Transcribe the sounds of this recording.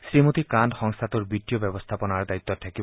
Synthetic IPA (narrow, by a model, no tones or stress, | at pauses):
sɾimot̪ikandxɔŋst̪ʰat̪uɾbit̪ːijobɛbost̪ʰapɔnaɹd̪ait̪ːɔt̪ʰakibɔ